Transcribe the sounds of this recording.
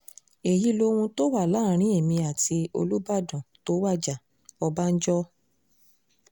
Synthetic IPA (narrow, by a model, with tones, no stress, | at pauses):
e˨ji˨˦lo˧wũ˧to˦wa˦˨la˦ɾ̃ĩ˦e˦˨mĩ˧a˨ti˧o̰˧lu˦ba˦˨dɔ̃˨to˨˦wa˦˨d͡ʒa˨ | ɔ˧ba˦n̩˦d͡ʒɔ˦